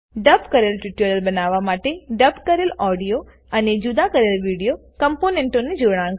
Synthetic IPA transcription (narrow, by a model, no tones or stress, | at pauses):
ɖəpkəɾelʈiʈəɾəlbənaʋːamaʈeɖəbkəɾelɔɖijo | əned͡ʒud̪akəɾelʋiɽijokəmponeɳʈoned͡ʒoɽã